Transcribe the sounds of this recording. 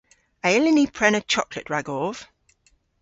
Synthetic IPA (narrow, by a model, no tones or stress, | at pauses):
əɪlɪnipʰɹ̥ɛnət͡ʃʰɒklə̰ʔɹaɡɔːv̥